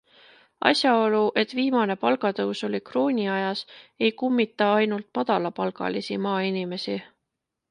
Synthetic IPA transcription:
ɑ̰sjɑo̞luʔe̞t̪ːviːmɑne̞pɑlɡɑt̪ɤwso̞likro̞ːnʲiɑjɑse̞jkumːit̪ːˑɑɑjnult̪mɑd̪̥ɑlɑpɑlɡɑ̰lisḭmɑːinime̞si

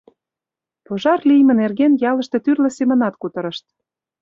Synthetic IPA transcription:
poʒɑrlijmə̆nerɣenjɑlə̆ʃt̪ĕt̪yrlə̆semə̆nɑt̪kut̪ɤ̆ɾə̆ʃt̪̚

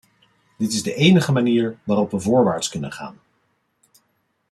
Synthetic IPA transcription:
dɪtɪzdəʔejnəχəmaniːɹʋaːrɔpʋəvʊːɹʋaːɹtskɵnə̰nχa̰ːn

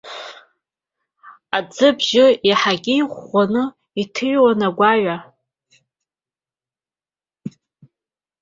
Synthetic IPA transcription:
ad͡zɨbʒɪiħaɡʲɪjχʷanɨ | itʰɨɥwanaɡʷaɥa

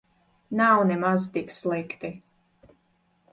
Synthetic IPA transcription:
nawnɛmazt̪ikslˠɛkt̪i

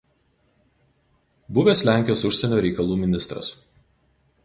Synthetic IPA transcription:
bʊʋʲeːsʲlʲæˑŋʲkʲɪjoːsʊʃʲsʲɛnʲoːɾʲɛɪkɐlˠuːmʲɪnʲɪst̪ɾɐ̰s

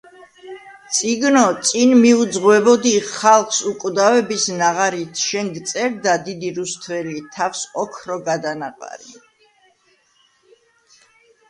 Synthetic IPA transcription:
t̪sʼiɡnɔt̪sʼinmiud̪zʁwɛbɔd̪iχalˠχsukʼd̪avɛbisnaʁaɾit̪ʰʃɛŋɡt̪sʼɛɾd̪ad̪id̪iɾust̪ʰvɛlit̪ʰafsɔkʰɾɔɡad̪anaqʼa̰ɾi

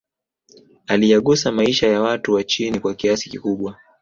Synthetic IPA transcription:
alijaɠusamaiʃajawatuwat͡ʃinikwakiasi̥kikuɓwa

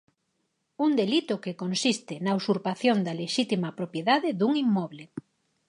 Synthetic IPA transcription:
und̪elit̪ʊkekonsist̪ɪnaowsuɾpaθjond̪ɐleʃit̪imɐpɾopjeðaðɪðuŋimːɔβle

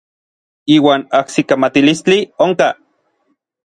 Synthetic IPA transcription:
iːwaːnahsikamat̪ilist͡ɬioŋka

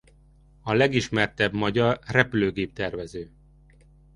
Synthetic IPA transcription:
ɒlɛɡiʃmɛrt̪ɛbmɒɟɒrrɛpyløːɡeːp̚t̪ɛrvɛzøː

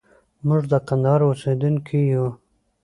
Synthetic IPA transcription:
mʊʐd̪əkand̪ɑɾosed̪uŋkʰiju

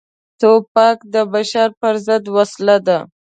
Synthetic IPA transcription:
t̪opɑkd̪əbaʃɑɾpəɾzəd̪waslad̪a

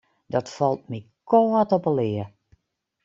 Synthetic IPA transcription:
dɔtfɔlˠt̚mikʰoːətɔpəlɪə

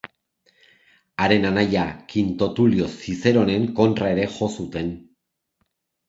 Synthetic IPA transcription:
aɾe̞nanajakint̪o̞t̪ulio̞sise̞ɾo̞ne̞ŋko̞nt̪rae̞ɾe̞ʝo̞sut̪e̞n

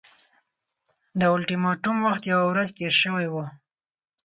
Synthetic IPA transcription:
d̪əʊlʈimɑʈumwaxt̪jawawɾazt̪eɾʃəwajwu

